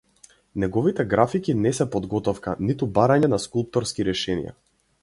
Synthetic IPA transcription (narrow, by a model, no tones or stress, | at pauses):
nɛɡɔvit̪ɛɡɾafikinɛsɛpɔd̪ɡɔt̪ɔfkanit̪ubaɾaɲɛnaskulˠp̚t̪ɔɾskiɾɛʃɛnḭja̰